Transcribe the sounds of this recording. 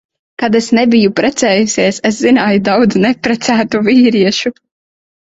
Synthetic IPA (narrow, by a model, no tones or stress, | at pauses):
kad̪esnebijupɾɛt̪sɛːjusʲiɛseszinaːjud̪awd̪znɛpɾɛt̪sæːt̪uviːɾiɛʃu